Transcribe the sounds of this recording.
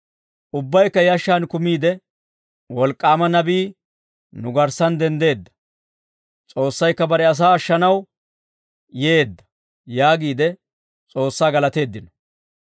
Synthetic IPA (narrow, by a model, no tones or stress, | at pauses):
ʔʊbːɐjkːɐjɐʃːaːnkʊmiːd̪ɛ | wɔlkʼːaːmɐnɐbiː | nʊɡɐɾsɐnd̪ɛnd̪e̞ːd̪ːɐ̥ | t͡sʼo̞ːsːɐjkːɐbɐɾɛɐs̬aːɐʃːɐnɐw | jeːd̪ːɐ̥ | jaːɡiːd̪ɛ | t͡sʼo̞ːsːaːɡɐlɐt̪e̞ːd̪ːɪnɔ̥